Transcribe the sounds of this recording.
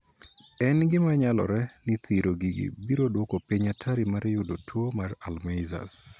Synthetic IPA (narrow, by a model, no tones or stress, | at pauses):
ɛnɡɪmaɲalɔ̰ɾɛnɪt̪ʰiɾoɡiɡḭbiɾodwokopiɲatʰaɾimaɾɛjʊdotwomaralmejza̰s